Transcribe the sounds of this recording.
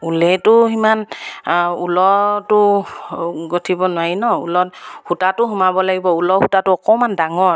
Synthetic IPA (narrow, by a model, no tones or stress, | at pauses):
ulɛtʊɦiman | ulɔtʊ | ɡotʰibɔnʊaɹinɔṵlɔthutatʊɦumabɔlaɡibɔulɔhutatʊɔkɔmandaŋɔɹ